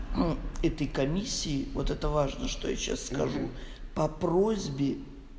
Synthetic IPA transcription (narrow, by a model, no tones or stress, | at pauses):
ɛt̪əjkɐmʲisʲːɪɪvo̞t̪ɛt̪əvaʐnəʂt̪oja̰ɕa̰sːkɐʐupɐprozʲbʲɪ